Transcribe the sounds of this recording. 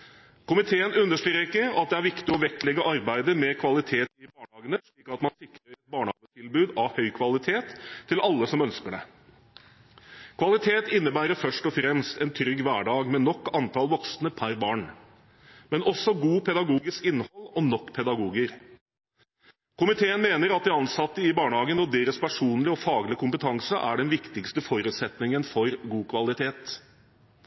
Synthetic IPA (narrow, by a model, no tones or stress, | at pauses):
kʊmɪt̪ʰeːənʉnːəʂʈɾɾəɾɪkːəɑt̪̚d̪ɛæɾʋɪkt̪ɪɔʋɛklɛɡːəʔɑɾbæɪd̪əmɛkʰʋɑlɪt̪ʰeːt̪ɪbɑːɳhɑːɡənəʂɭiːkɑt̪mɑnsɪkɾəɾɛt̪̚bɑːɳəhɑ̰nət̪ʰɪlbʉːd̪ɑhœʏkʰʋɑlɪt̪ʰeːt̪ʰːɪlɑlːəsɔmœnskəɖɛ̰ | kʰʋɑlɪt̪ʰeːt̪ɪnːəbæːɾəfœʂʈɔfɾɛmst̪ɛnt̪ʰɾʏɡʋæːɖɑːɡmɛnɔkːɑnt̪ʰɑlʋɔksnəpʰæɾbɑːɳ | mɛnʔɔsɔɡuːpʰɛd̪ɑɡuːɡɪskɪnːhɔlːɔnɔkːpʰɛd̪ɑɡuːɡəɾ | kʰʊmɪt̪ʰeːənmeːnəɾɑt̪̚d̪ɛɑnsɑt̪ːəɪbɑːɳəhɑːɡənɔd̪eːɾəspʰæʂuːnlɪɔfɑːɡlɪəkʊmpət̪ʰɑŋsə̰ʔæ̰ɖɛnʋɪkt̪ɪkst̪əfɔɾʉːt̪sɛt̪nɪŋənfɔɾɡuːkʰʋɑlɪt̪ʰeːt̪